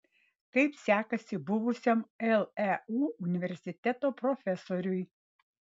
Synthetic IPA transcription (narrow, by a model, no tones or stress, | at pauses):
kɐɪpsʲæːkɐsʲɪbʊʋʊsʲomɛlˠɛuːʊnʲɪʋʲɛɾʲsʲɪt̪ʲɛt̪oːpɾɔfʲɛsoɾʲʊj